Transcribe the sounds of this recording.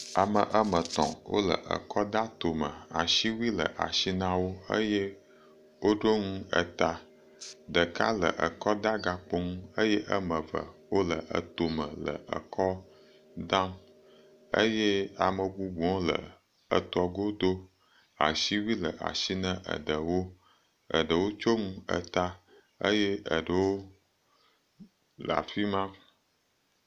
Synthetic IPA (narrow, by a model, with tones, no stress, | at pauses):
a˨mə˨ʔə˦mə˨t̪ɔ̰̃˨wʔo̰˦lə̰˨ʔə̰˨kɔ˦d̪a˦t̪o˨mə̃˨a˨ʃi˦wi˦lə̰˨ʔa̰˨ʃi˦nã˦wo˦ə̰˦je˦ | wo˦ɖo˦ŋũ˦ə̰˨t̪a˨ | ɖ̪ə˨ka˦lə̰˨ʔə˨kɔ˦d̪a˦ɡa˨k͡po˦ŋũ˦ə˦je˦ʔə˦mə̃˨və̰˨wo˦lə˨ʔə̰˨t̪o˨mə̃˨lə̰˨ə̰˨kʰɔ˦ | d̪ã˦m | ə˦je˦a˨mə˨bu˦bu˨ɔ̃˦lə̰˨ | ə˨t̪ɔ˨ɡo˦d̪o˦ | a̰˨ʃi˦wi˦lə˨ʔa̰˨ʃi˦nə̃˦ʔə̰˨ɖə˨wo˦ | ə̰˨ɖə˨wo˦t͡ʃo˦ŋũ˦ə˨t̪a˦ | ə̰˦je˦ə˨ɖə˨wo˦ | la̰˨fi˦mã˦